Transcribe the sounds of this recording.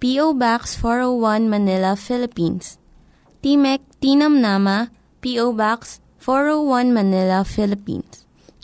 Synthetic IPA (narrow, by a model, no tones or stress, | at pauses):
piʔowbaksfɔɹowwɐ̃nmɐnɪlɐfɪlɪpins | t̪iːmɛk̚t̪iːnɐmnamɐ | piʔowbaks | fɔɹowwɐ̃nmɐnɪlɐfɪlɪpḭ̃ns